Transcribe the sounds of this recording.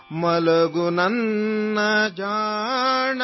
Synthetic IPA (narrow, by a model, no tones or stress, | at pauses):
mɐlɐɡunɐnːɐd͡ʒaː | ɳɐ